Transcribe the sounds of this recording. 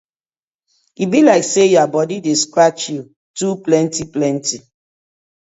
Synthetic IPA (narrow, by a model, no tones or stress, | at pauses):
ibilaɪksejabɔdideskɾat͡ʃju | tuplɛ̃ntiplɛnti